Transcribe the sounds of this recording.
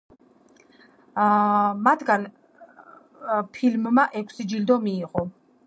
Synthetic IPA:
mat̪ʰɡan | pʰilmːaʔɛkʷʰsid͡ʒild̪ɔmiːqʼɔ

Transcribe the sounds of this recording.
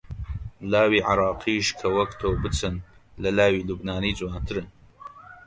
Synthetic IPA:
laːwiːʕɑɾˤɑːqʰiːʃkʰɐwɐkt̪ʰoːwbɨt͡sʰɨnlɐlaːwiːlubnaːniːd͡zwaːnt̪ʰɨɾɨn

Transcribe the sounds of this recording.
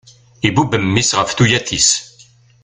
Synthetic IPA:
ibubəmːisʁəfθujæθis

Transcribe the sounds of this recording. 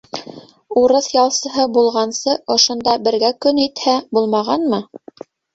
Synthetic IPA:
uɾɤθjɑlˠsɤ̆ɦɤbulˠʁɑnsɤʔŏʃŏnd̪ɑbɘ̆ɾɡækɵnit̪hæbulˠmɑʁɑnmɤ

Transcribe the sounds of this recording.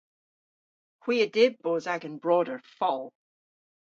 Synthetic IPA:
hw̥iːədɪd̚boːzaɡə̃nbɹɔːdə˞fɔlˠ

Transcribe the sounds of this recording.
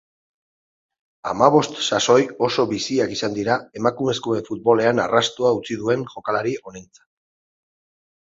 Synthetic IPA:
a̰maβ̞o̞st̪saso̞jo̞so̞βisiakisand̪iɾae̞makume̞skoe̞ɱfut̪̚βo̞le̞ana̰rast̪oaut͡siðue̞nʝo̞kalaɾio̞nent͡sḁ

